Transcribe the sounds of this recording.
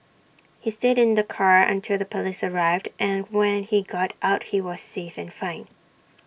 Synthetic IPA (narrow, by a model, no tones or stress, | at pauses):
histɪɾɨ̃nðɨkʰɑɹɨ̰̃ntʰɪlˠðəpʰəlisə˞aɪvdʔɨ̃nwɛ̃niɡɑɾʔaʊt̚hiwʌz̥sefɨ̃nfãɪ̃n